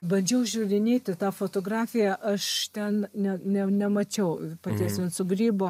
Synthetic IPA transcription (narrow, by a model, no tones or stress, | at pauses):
bɐnʲd͡ʒʲɛʊʒʲuːrʲɪnʲeːt̪ʲɪt̪ɑːfoːt̪oːɡrɑːfʲɪjæʔɐʃt̪ʲɛnnʲɛnʲɛnʲɛmɐt͡ʃʲɛʊpɑt̪ʲiɛsʋʲɪnsʊɡɾʲiːboː